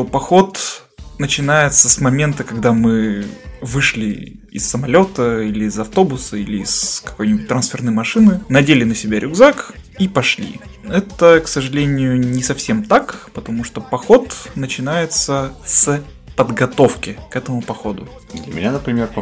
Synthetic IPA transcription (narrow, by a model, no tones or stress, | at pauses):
t̪opɐxo̞t̪ | nət͡ɕɪnajɪt̪səsmɐmʲe̞nt̪əkɐɡ̚d̪amɨ | vɨʂlʲɪ̰ɪ̰sːəmɐlʲo̞t̪əilʲɪːzɐft̪o̞bʊsəilʲɪːskɐ̥ko̞jnʲɪbʊt̚ʲt̪ɾɐnsfʲɪrnɨjmɐʂɨnɨnɐdʲelʲɪnəsʲɪbʲaɾʲʊɡzakipɐʂlʲḭɛt̪əksəʐɨlʲenʲɪjʊnʲɪsɐfsʲe̞mt̪akpət̪ɐmuʂt̪opɐxo̞t̪nət͡ɕɪnajɪt̪səs | pəd̪ɡɐt̪o̞fkʲɪkɛt̪əmʊpɐxo̞d̪ʊ̰ | d̪lʲəmʲɪ̰nʲanəpɾʲɪmʲerp